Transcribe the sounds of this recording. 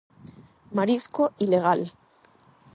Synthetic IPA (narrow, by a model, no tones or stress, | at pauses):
maɾiskoʔileɣ̞al